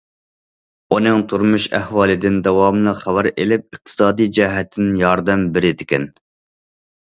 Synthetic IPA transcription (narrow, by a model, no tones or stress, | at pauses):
unɨŋt̪ʰuɾmuʃæ̰hwɑːlˠɨd̪ɪnd̪ɛwɑmlˠɨχæwæɾelɪp̚əq̚t̪ʰɨ̥sɑːd̪ijd͡ʒɛɦɛt̪ʰːɪnɪjɑɾd̪ɛmbɪɾɪd̪ɪkʲɛn